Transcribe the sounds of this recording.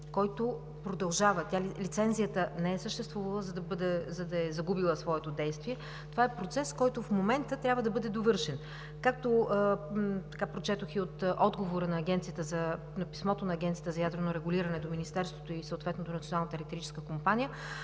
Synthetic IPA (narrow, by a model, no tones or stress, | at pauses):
kɔjt̪o | pɾod̪ɐlˠʒavət̪ʲalilit̪sɛnzijət̪ənɛɛsəʃt̪ɛst̪vuvɐlˠəzɐd̪ɐbəd̪ɛzɐd̪ɐɛzɐɡubilˠəsvɔɛt̪od̪ɛjst̪viɛ | t̪ovaɛpɾot̪sɛskɔjt̪ofmomɛnt̪ət̪ɾʲabvəd̪ɐbɤd̪ɛd̪ovɤɾʃɛn | kak̚t̪o | t̪ɐkapɾot͡ʃɛt̪oxiot̪ʔɔd̪ɡovoɾənɐːɡʲɛnt̪sijət̪əzɐ | nɐpi̥smɔt̪onɐːɡʲɛnt̪sijət̪əzɐjad̪ɾɛvnoɾɛɡuliɾɐnɛd̪ominist̪ɛɾst̪vot̪oisəʊt̪vɛt̪not̪onɐt̪sionalˠnət̪ɐɾʲit̪ɛɾit͡ʃɛ̥skəkompanijə